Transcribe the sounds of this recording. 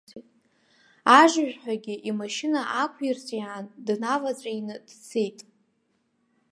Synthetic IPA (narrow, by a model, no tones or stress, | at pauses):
aʒʒʷᶣħʷᶣaɡʲɪʔimaʃɪnaʔakʷʰirt͡sʼiʕandnavat͡sʷʼajnɨd̥t͡sʰejtʼ